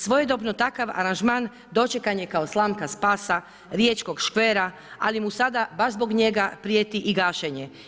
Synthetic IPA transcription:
sʋo̞jed̪o̞bnot̪akaʋa̰ɾanʒmaːn | d̪o̞t͡ʃekanjekao̞slˠaːmkaspaːsa | ɾjeːt͡ʃko̞ɡʃkʋeːɾa | a̰limusad̪abaʒzbo̞ɡɲe̞ɡapɾijet̪iʔiɡaːʃeɲe

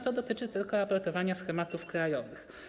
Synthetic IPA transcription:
t̪ɔd̪ɔt̪ɘt͡ʂɘt̪ɘlkɔɾapɔɾt̪ɔvaɲasxɛmat̪ufkɾajɔvɘx

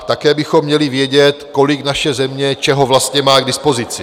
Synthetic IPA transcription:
t̪akɛːbɪxomːɲɛlɪvjɛɟɛt̪ko̞lɪknaʃɛzɛmɲɛt͡ʃɛɦo̞vlast̪ɲɛmaːɡdɪspo̞zɪt͡sɪ

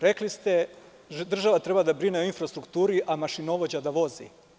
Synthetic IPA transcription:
ɾe̞klist̪e | d̪r̩ʒaʋat̪ɾe̞bad̪abɾineoinfɾast̪ɾukt̪uːɾiʔamaʃino̞ʋod͡ʑad̪aʋo̞zḭ

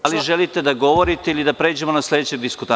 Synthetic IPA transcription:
liʒelit̪e̞d̪aɡo̞ʋo̞ɾit̪e̞ilid̪apɾe̞ːd͡ʑe̞monaslʲe̞d̪et͡ɕed̪iskut̪a

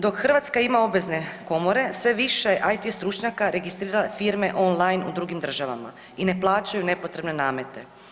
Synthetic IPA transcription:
d̪o̞kxrʋat̪skaimao̞bʋe̞zne̞ko̞mo̞ɾe̞sʋe̞ʋiʃejʔajt̪ist̪ɾut͡ʃɲakaɾe̞ɡist̪ɾiːɾalafiɾme̞ʔo̞nlˠajnṵd̪ɾuɡimd̪r̩ʒaʋa̰ma̰ | ine̞plˠaːt͡ʃajune̞po̞t̪ɾe̞bne̞naːme̞t̪e̞

